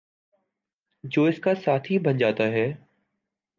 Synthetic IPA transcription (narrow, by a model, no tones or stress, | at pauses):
d͡ʑoːɪskasaːt̪ʰibɐ̃nd͡ʑaːt̪aɦɛː